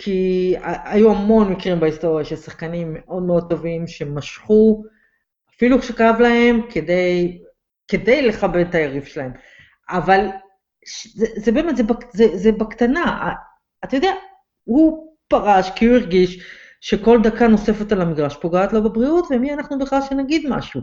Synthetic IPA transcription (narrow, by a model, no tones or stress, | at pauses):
kʰiaajuamo̞nmikʁimbaist̪o̞ʁjaʃelsaχkanimːe̞ʔo̞d̪̚meo̞d̚t̪o̞vimʃe̞maʃχu | afilukʃekaavlahe̞mkʰede̞j | ke̞de̞jle̞χabed̪tajaʁifʃelae̞m | aval | ʃzezebeːmetzebakzezebakt̪anaa̰ː | t̪ajo̞d̪ea | hupaʁaʃkiuiʁɡiʃ | ʃe̞ko̞ld̪akano̞se̞fe̞t̪alamiɡʁaʃpo̞ɡaːt̪lo̞bebʁiutvemianaχnubeχlalʃenaɡid̪ma̰ʃu